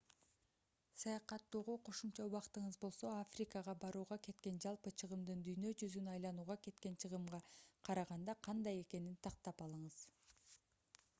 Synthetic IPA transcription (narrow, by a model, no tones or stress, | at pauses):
sɑjɑqɑt̪ːoːʁo̞qʰo̞ʃumt͡ʃɑuβɑqt̪ɯɴɯzbo̞lˠso̞afrʲikəʁɑbɑɾuːʁɑke̞t̪̚ke̞nd͡ʒɑlˠpɯt͡ʃʰɯʁɯmd̪ɯnd̪yjnø̞d͡ʒyzynɑjlˠɑnuːʁɑke̞t̪ke̞nt͡ʃʰɯʁɯmʁɑqʰɑɾɑʁɑnd̪ɑqʰɑnd̪ɑje̞ke̞nint̪ʰɑq̚t̪ɑpɑlˠɯɴɯz̥